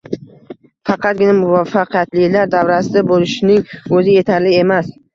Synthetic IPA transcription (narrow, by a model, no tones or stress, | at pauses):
fɑqɑt̪̚ɡʲɪnamʊvafɑqʰijat̪lɪlaɾd̪avɾasɪd̪abolɪʃnɪŋɵzɪje̞t̪ʰaɾlɪe̞mas